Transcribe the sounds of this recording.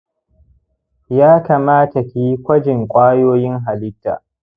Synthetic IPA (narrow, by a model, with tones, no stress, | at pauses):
jaː˦ka˨maː˦ta˨kʲi˨ji˦kʷɐ˦d͡ʒɪ˨ŋkʷʼaː˦joː˦jɪ˦ŋɦa˨lɪ˦tːa̰ː˨ʔ